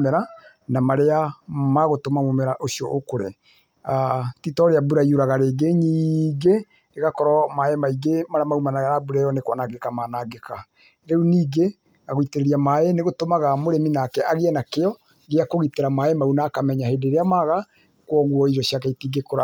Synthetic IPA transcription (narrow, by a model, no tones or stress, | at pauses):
mɛɾa | namaɾeamaɣotomamomɛɾaʔosiɔ̰ʔokoɾḛ | atitɔɾeabuɾaioɾaɣaɾeːɡeɲiːɡe | eɣakɔɾɔmaemaiɡemaɾamaumanaɣaɾabuɾɛjɔnekwanaɡekamaːnaɡeka | ɾeuniːɡe | aɣoiteɾeɾiamaeneɣotomaɣamoɾeminaːkɛaɣeɛnakeɔ | ɣeakoɣiteɾamaemaunaːkamɛɲaheːdeɾeamaɣa | kwɔɣwɔiɾɔʃiakaitiːɡekoɾa